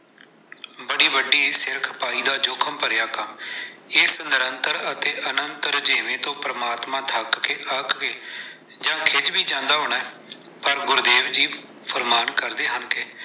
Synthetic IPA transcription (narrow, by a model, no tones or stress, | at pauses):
bəɽiːʋəɖiːsɪɾkʰpaːiːd̪aːd͡ʒoːkʰəmpəɾjaːkəmɪːsənd̪əɾənt̪əɾət̪eːʔənənt̪əɾd͡ʒeːʋẽːt̪õːpɾəmaːt̪mãːt̪ʰəkkeːʔəkkeː | d͡ʒãːkʰɪd͡ʒbiːd͡ʒãːnd̪aːɦoːɳaːɛː | pəɾɡʊɾd̪eːʋd͡ʒiː | pʰəɾmaːnkəɾd̪eːɦənkeː